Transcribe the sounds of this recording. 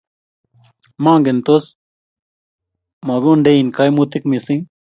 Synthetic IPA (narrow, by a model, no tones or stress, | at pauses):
mãːŋɡent̪os | mɐɡuɳɖeinkajmut̪ikmisĩŋ